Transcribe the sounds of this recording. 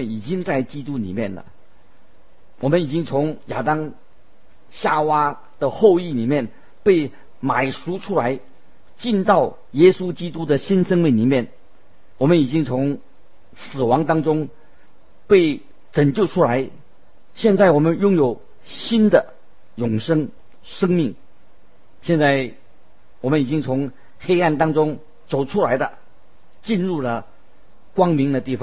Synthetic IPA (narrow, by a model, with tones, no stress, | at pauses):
əni˨˩t͡ɕi˥ŋt͡sa˥˩ɪt͡ɕi˥t̪u˥nḭ˨˩mjɛ˥˩nlə̰˩ | wɔ˨˩mə˦ni˨˩t͡ɕi˥ŋt͡sʰʊ˧˥ŋja̰˨˩t̪ɑ˥ŋ | ɕja˥˩wa˥ | d̪̥ə˨xo˥˧ʊi˥˩ni˨˩mjɛ˥˩n | pe˥˩ɪ | ma˨˩ɪʂu˧˥ʈ͡ʂʰu˥la˧˥ɪ | t͡ɕi˥˧nt̪ɑ˥˩ʊ | jɛ˥su˥t͡ɕi˥t̪u˥d̪ə˨ɕi˥nʂə˥ŋmi˥ŋni˨˩mjɛ˥˩n | wɔ˨˩mə˦ni˨˩t͡ɕi˥ŋt͡sʰʊ˧˥ŋ | sɹ̩˨˩wɑ˧˥ŋt̪ɑ˥ŋʈ͡ʂʊ˥ŋ | pe˥˩ɪ | ʈ͡ʂə˨˩ŋt͡ɕjo˥˩ʊʈ͡ʂʰu˥la˧˥ɪ | ɕjɛ˥˧nt͡sa˥˩ɪwɔ˨˩mə˧˦njʊ˥˧ŋjo˨˩ʊ | ɕi˥nd̪ə˨ | jʊ˨˩ŋʂɤ˥ŋ | ʂɤ˥ŋmi˥˩ŋ | ɕjɛ˥˧nt͡sa˥˩ɪ | wɔ˨˩mə˦ni˨˩t͡ɕi˥ŋt͡sʰʊ˧˥ŋ | xe˥ɪa˥˩nt̪ɑ˥ŋʈ͡ʂʊ˥ŋ | t͡so˨˩ʊʈ͡ʂʰu˥la˧˥ɪd̪ə̰˧ | t͡ɕi˥˧nɻu˥˩lə˩ | kwɑ˥ŋmi˧˥ŋd̪ə˧t̪i˥˩fɑ˨˦